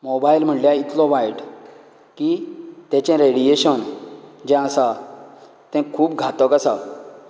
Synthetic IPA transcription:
mobailm̤əɳljait̪lɔʋajʈ | kit̪ɛ̃t͡ɕɛ̃ɾeɽieɕənd͡ʑɛ̃əsa | t̪ɛ̃kʰuːpɡʱat̪ɔkəsa̰

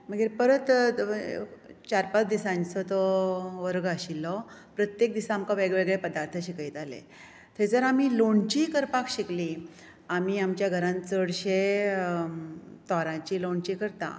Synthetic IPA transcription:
məɡiɾpəɾət̪ | t͡ɕaɾpat͡sd̪isãɲt͡sɔt̪ɔʋəɾɡəɕilːɔpɾət̪jek̚d̪isaːmkaʋeɡɭʋeɡɭepəd̪aɾt̪ʰəɕikajt̪alḛ | t̪ʰed͡zəɾamiːloɳt͡ɕikəɾpakɕikli | am̤iːamt͡ɕjaɡʱəɾãnt͡səɽɕe | t̪ɔɾãt͡ɕiloɳt͡ɕikəɾt̪ã̰

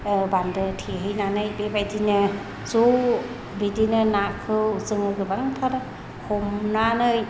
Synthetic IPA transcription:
bandɯtʰiɦɯjnanɯjbebajdinɯ | zu | bidinɯnakʰɯuzɯŋɯɡɯbaŋtʰaɾ | hʰɔmnanɯj

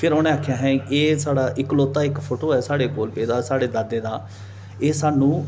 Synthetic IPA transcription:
pʰɪɾoːñẽːaːkʰjaːɦɛ̃ːeːsaːɽaːʔɪkloːt̪ːaːɪkpʰoːʈoːɛːsaːɽeːkoːlpeːd̪aːsaːɽeːd̪aːd̪eːd̪aː | eːsaːnũː

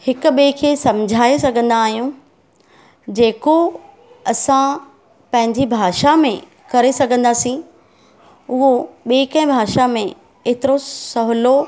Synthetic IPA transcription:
hɪkʊ̆ɓeːkʰeːsɐmd͡ʑʱaːesɐɡʱə̃nd̪aːɦijũ | d͡ʑeːko | ɐsã | pɐ̃ɦɪ̃ɲd͡ʑibʱaːʃamẽ | kɐɾesɐɡʱə̃nd̪aːsĩ | ʊɦoɓeːkɐ̃ɪ̃bʱaːʃamẽ | eːt̪ɪɾosɐɦʊlo

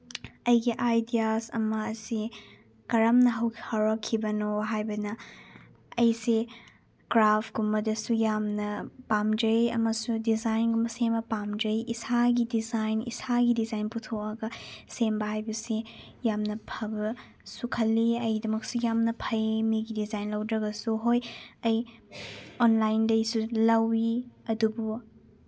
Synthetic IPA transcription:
ɐjɡiʔajdiasɐmɐːsi | kɐɾɐmnɐɦɐwkʰi̥hoɾokʰːibɐnoɦajbɐnɐ | ɐjse | kɾapʰɡumɐdɐsujamnɐpamd͡ʒɐjɐmɐsudizajnɡumbɐsembɐpamd͡ʒɐjisaɡidizajnḭsaɡidizajnputʰoɐɡɐsembɐɦajbɐse | jamnɐpʰɐbɐ | sukʰɐlːiɐjdɐmɐk̚sujamnɐpʰɐjmiɡidizajnlɐwdɾɐɡɐsuɦojɐj | onlajndɐjsulɐwiɐdubu

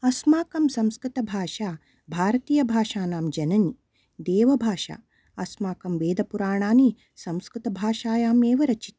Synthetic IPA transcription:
ɐsmaːkɐmsɐ̃mskɾit̪ɐbʱaːʃaː | bʱaːɾɐt̪iːjɐbʱaːʃaːnaːmd͡ʒɐnɐni | d̪eːʋɐbʱaːʃa̰ː | ɐsmaːkɐmʋeːd̪ʱɐpuɾaːɳaːni | sɐmskɾɪt̪ɐbʱaːʃaːjaːmeːʋɐɾɐt͡ʃi̥t̪̚

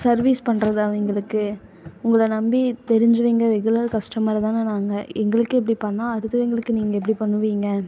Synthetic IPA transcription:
sɐɾʋiːspɐɳɾɐðɯaːʋɛŋɡɐɭɯkːɯ | ʊŋɡɐɭɐnɐmbit̪ɛɾɪɲd͡ʒɪɾɯʋiːŋɡɐɾɐɾɛɡɯlɐɾkɐʂʈɐmaːɾɐt̪aːnanaːŋɡɐɛŋɡɐɭɯkːɯɛpːɐɽipɐɳːãːɐɽɯt̪ːɯʋeːŋɡɐɭɯkːɯniːŋɡɐɛp̬ːɐɽipɐɳːɯʋiːŋɡɐ

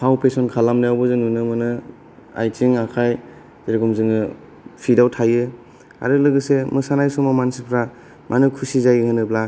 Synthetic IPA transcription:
pʰawpʰesɔnkʰalamnɯjawbɔzɯnunɯmɯnɯ | a̰jt͡ʃiŋakʰaj | zeɾɡumzɯŋɯ | pʰidawtʰajɯ | a̰ɾɯlɯɡɯsemɯsanajsɔmamansipʰɾa | mʔanɯkʰusizajɯŋɯnɯbla

